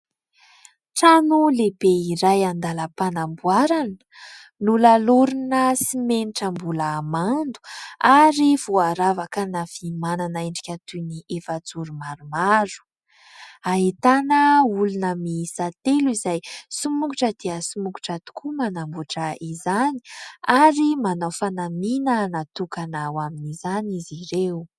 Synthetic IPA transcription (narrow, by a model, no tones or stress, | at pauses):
ʈ͡ʂanulebeiɾajand̪aləpanambuaɾanə̥ | nulaluɾunəsimeniʈ͡ʂəmbulaːmand̪u̥aɾiv̥uaɾavakənafimananaeɳɖ͡ʐi̥kʲat̪uniʔefəd͡zuɾumaɾumaɾu̥ | aɦit̪anəulunəmisat̪eluizajsumukuʈ͡ʂəd̪eəsumuku̥ʈ͡ʂat̪u̥kumanambuʈ͡ʂəizani̥aɾimanawfanaminənat̪ukanawaminizaniziɾew